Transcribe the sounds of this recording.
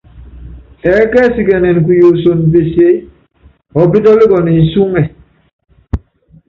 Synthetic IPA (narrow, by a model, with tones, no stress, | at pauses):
ɛ˨˦kɛ˦si˨kɛ˨nɛ˨nk̬u˨jo˨so˨npe˨se˦ | ɔ˨pi˦tɔ˦bi˦ɡɔ˨ni˨n˨su˦ŋɛ˨